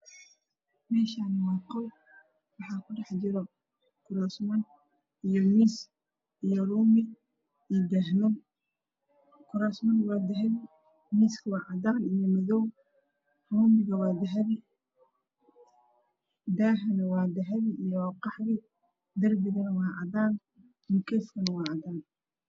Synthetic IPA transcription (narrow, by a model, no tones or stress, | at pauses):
mɛːʃaːnwɑːqɔw | wɑħɑːkʰʊɖɛħd͡ʒɪɾɔ | kʰʊɾɐsmɐn | ijɔmiːs | ijɔɾuːmɪ | d̪ɛɦnɔ | kʰʊɾɐsmɐnwaːd̪ɐɦɐβɪ | miːskʰɐwɑːʕɑdaːnijɔmɐðɔw | ruːmɪɣɐwɑːd̪ɐɦɐβɪ | d̪aɦɐnɐwɑːd̪ɐɦɐβiijwaːqɑħɾɪ | d̪ɐrbɪɣɐnɐwɑːʕɑ̰daːn | mʊkʰɛːfkʰɐnɐwɑːʕɑd̪aːn